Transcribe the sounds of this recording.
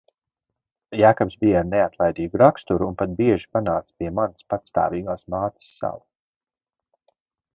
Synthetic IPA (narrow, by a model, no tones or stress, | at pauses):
jaːkɔbsbijaɾneat̪lˠajd̪iːɡuɾakst̪uɾuːnpat̪̚biɛʒi̥panaːt̪spiɛmanspat̪st̪a̰ːviːɡaːsmaːt̪ʲi̥sːa̰wu